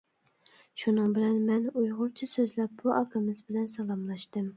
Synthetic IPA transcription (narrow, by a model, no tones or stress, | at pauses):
ʃunɨŋbɪlɛnmɛnujʁʊɾt͡ʃʰisøzlɛp̚b̥uʔɑkʰɨmɨzbɪlɛnsɑlˠɑmlˠɑʃt̪ɨm